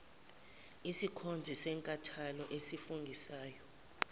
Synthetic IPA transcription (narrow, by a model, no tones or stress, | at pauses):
isikʰond͡zʱisɛːŋkʼatʰalɔʔesifuŋɡʱisaːjɔ